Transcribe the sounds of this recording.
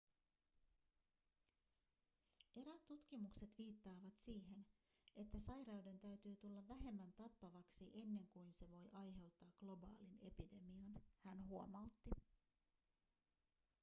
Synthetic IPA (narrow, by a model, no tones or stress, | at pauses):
e̞ɾæt̪ːut̪k̟imukse̞t̪ʋiːt̪ːɑːʋɑt̪siːɦe̞n | ʔe̞t̪ːæsɑjɾɑwde̞nt̪æɥt̪yːt̪ulːɑʋːæɦe̞mːænt̪ɑpːɑʋɑksiʔe̞nːe̞ŋkujnse̞ʋo̞jʔɑjɦe̞wt̪ːɑːɡɡ̥lo̞bɑ̰ːline̞pide̞miɑnhænɦuo̞mɑwt̪ːi